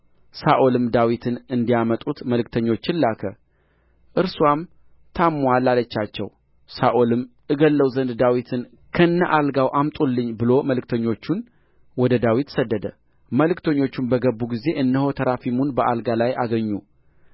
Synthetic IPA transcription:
saʔolɨmd̪awit̪ʰɨnɨnd̪ijamət̪ʼut̪məlɨk̚t̪ʰəɲːo̞t͡ʃːɪnlːakʰə | ʔɨɾswam | t̪ʰamːwalːalət͡ʃːat͡ʃːɛ̰w | saʔolɨm | ɨɡəlːəwzənd̪d̪awit̪ʰɨn | kʰəɨnːaʔalɡawʔamt̪ʼulːɨɲːbɨlo̞məlɨk̚t̪ʰəɲːo̞t͡ʃːun | wɔd̪əd̪awit̪səd̪ːəd̪ə | məlɨkt̪ʰəɲːo̞t͡ʃːunbəɡəbːuɡize̞ʔɨnːəho̞t̪ʰəɾafimunbəʔalɡalajaɡəɲːu

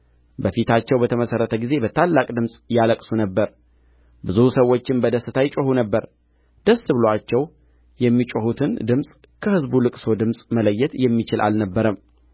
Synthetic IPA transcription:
bəfit̪ʰat͡ʃːɛwbət̪ʰəməsərːət̪ʰəɡize̞bət̪ʰalːakʼd̪ɨmsʼjaləkʼsunəbːəɾ | bɨzusəwːo̞t͡ʃːɪnbəd̪əsːɨt̪ʰajɪt͡ʃʼohunəbːəɾ | d̪̥əsːɨbɨloat͡ʃːɛw | jɛmːit͡ʃʼohut̪ʰɨnd̪ɨmsʼ | kʰəhɨzbulɨkʼso̞d̪ɨmsʼmələjːɛt̪jɛmːit͡ʃɪlʔa̰lnəbːəɾəm

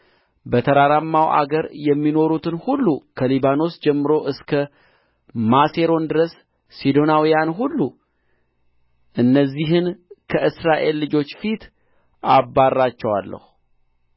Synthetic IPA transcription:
bət̪ʰəɾaɾamːawʔa̰ɡəɾjɛmːino̞ɾut̪ʰɨnhulːukʰəlibano̞sd͡ʒɛmːɨɾo̞ʔɨskʰə | mase̞ɾo̞nd̪ɨɾəsː | id̪o̞nawijanɦulːu | ʔɨnːəzːiɦɨnkʰəʔɨsɾaʔe̞lːɨd͡ʒo̞t͡ʃːfit̪ʰ | abarːat͡ʃːɛwa̰lːə̰hu

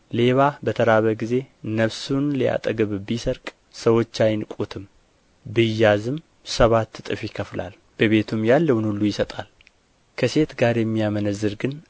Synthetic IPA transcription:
le̞βabət̪ʰəɾaβəɡize̞nəβsunlija̰t̪ʼəɡɨβbisəɾkʼ | səwo̞t͡ʃːajnkʼut̪ʰɨm | bɨjːazɨm | səβat̪ːɨt̪ʼɨfjɪkʰəfla̰l | b̥əβe̞t̪ʰumjalːəwnulːujɪsət̪ʼal | kʰəse̞t̪ɡaɾjɛmːijamənəzːɨɾɡɨn

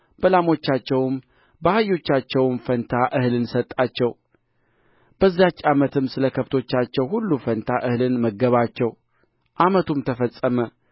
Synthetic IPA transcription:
b̥əlamo̞t͡ʃːat͡ʃːɛwm | bəhajːo̞t͡ʃːat͡ʃːɛwmfənt̪ʰaʔɨhlɨnsət̪ʼːat͡ʃːɛw | b̥əzːijat͡ʃːamət̪ʰɨmsɨləkʰəβt̪ʰo̞t͡ʃːat͡ʃːɛwhulːufənt̪ʰaʔɨhlɨnməɡːəβat͡ʃːɛw | ʔamət̪ʰumt̪ʰəfəsʼːəmə

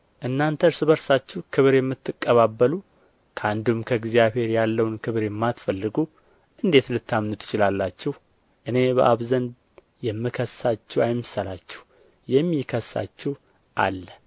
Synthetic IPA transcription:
ʔɨnːant̪ʰəɾsɨβəɾsat͡ʃːɛhkʰɨβɾjɛmːɨt̪ːɨkʼːəβabːəlu | kʰəand̪umkʰəɡzijaβhe̞ɾjalːəwnkʰɨβɾjɛmːat̪fəlːɨɡu | ʔɨnd̪e̞t̪lɨt̪ːamnɨt̪ʰːɨ̥t͡ʃɪlalːat͡ʃːɛh | ʔɨne̞bə̰ʔaβzənd̪ | jɛmːɨkʰəsat͡ʃːɛwajmːɨsalat͡ʃːɛw | jɛmːikʰəsːa̰t͡ʃːɛh | ʔa̰lːə

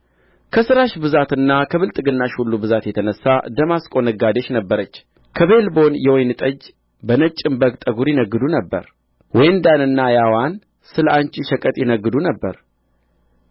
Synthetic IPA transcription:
kʰəsɨɾaʃbɨzat̪ɨnːakʰəβɨlt̪ʼɨɡɨnːaʃhulːubɨzat̪jɛt̪ʰənəsːad̪əmaskʼo̞nəɡad̪eʃnəbːəɾət͡ʃː | kʰəβe̞lbo̞njɛwɔjnɨt̪ʼəd͡ʒ | bənət͡ʃʼːɪmbəɡt̪ʼəɡuɾjɪnəɡːɨd̪unəbːə̰ɾ | wɔjnd̪anɨnːajawan | sɨləant͡ʃʼiʃəkʼət̪ʼjɪnəɡːɨd̪unəbːəɾ

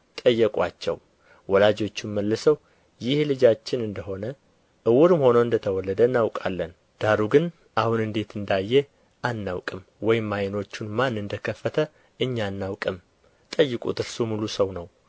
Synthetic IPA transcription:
t̪ʼəjːɛkʼwat͡ʃːɛ̰w | wɔlad͡ʒo̞t͡ʃːunməlːɨsəw | jɪhlɨd͡ʒat͡ʃːɪnɨnd̪əho̞nə | ʔɨwuɾɨmho̞nəwɨnd̪ət̪ʰəwɔlːəd̪ənːawkʼa̰lːən | d̪̥aɾuɡɨn | ʔahunɨnd̪e̞t̪ʰɨnd̪ajːe | ʔanːawkʼɨm | wɔjɪmːajɪno̞t͡ʃːunmanːɨnd̪əkʰəfːət̪ʰə | ɨɲːanːawkʼɨm | t̪ʼəjːɨkʼṵt̪ɨɾsumulusəwnəw

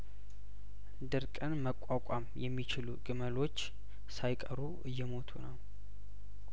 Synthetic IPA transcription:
d̪ɨɾkʼənməkʷʼakʼamjɛmːit͡ʃɪluɡɨməlo̞t͡ʃː | sajkʼəɾuʔɨjːɛmo̞t̪ʰunəw

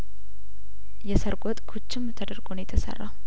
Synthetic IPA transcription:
jɛsəɾɡʼot̪ʼkʰut͡ʃːɪmt̪ʰəd̪əɾɡonjɛt̪ʰəsə̰rːa̰

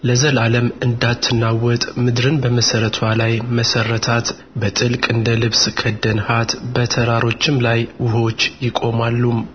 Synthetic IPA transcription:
ləzəlaləmɨnd̪at̪ʰːɨnːawɔt̪ʼmɨd̪ɾɨnbəməsəɾət̪ʰwalajməsərːət̪ʰat̪ | bət̪ʼɨlkʼɨnd̪əlɨβskʰəd̪ːənhat̪bət̪ʰəɾaɾo̞t͡ʃːɪmlajwʊho̞t͡ʃːjɪkʼo̞malːum

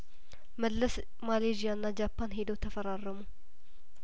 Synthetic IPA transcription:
məlːəs | maled͡ʒijanːad͡ʒapʰːanɦed̪ot̪ʰəfəɾarːəmu

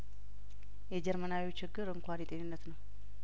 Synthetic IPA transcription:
jɛd͡ʒɛɾmənawit͡ʃɪɡːɨɾɨŋkʷanjɛt̪ʼenɨnːət̪nəw

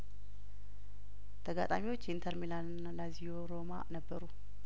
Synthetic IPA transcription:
t̪ʰəɡa̰t̪ʼamiwo̞t͡ʃːjint̪ʰəɾmilannalazijoɾo̞ma̰nəbːəɾu

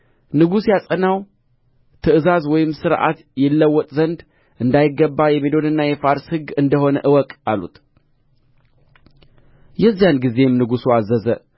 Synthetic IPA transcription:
nɨɡusjasʼənaw | t̪ʰɨɨzazwɔjɪmsɨɾʔa̰t̪ | jɛlːəwːɔt̪ʼzənd̪ | ʔɨnd̪ajɪɡːəbːajɛmelo̞d̪ɨnːajɛfaɾshɨɡɨnd̪əho̞nəʔɨwɔkʼalṵt̪ | jɛzːijanɡize̞mnɨɡusuazəzə

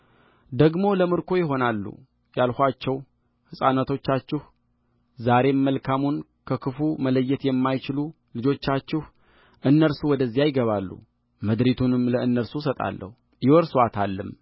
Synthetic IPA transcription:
d̪əɡmo̞ləmɨɾkʰo̞jɪɦo̞nalːṵ | jalhʷat͡ʃːɛw | hɨsʼanat̪ʰo̞t͡ʃːat͡ʃːɪh | zaɾe̞mːəlkʰamun | kʰəkʰɨfumələjːɛt̪jɛmːajt͡ʃɪlu | lɨd͡ʒo̞t͡ʃːat͡ʃːɪh | ʔɨnːəɾsuwɔd̪əzːijajɪɡəβalːṵ | mɨd̪ɾit̪ʰunɨmləɨnːəɾsusət̪ʼa̰lːə̰hu | jɪwɔɾsat̪ʰalːɨm

